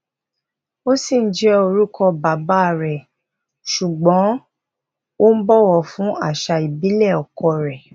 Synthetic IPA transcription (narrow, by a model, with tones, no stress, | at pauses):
o˦si˦˨n̩˦d͡ʒɛ˦o˧ɾu˦kɔ˧ba˨˦ba˦˨ɾɛ˨ | ʃu˨ɡ͡bɔ̃˨˦ | wo˦m̩˦bɔ˦wɔ˧˨fũ˨˦a˦˨ʃa˧i˨bi˨˦lɛ˦˨ɔ˨kɔ˧ɾɛ˨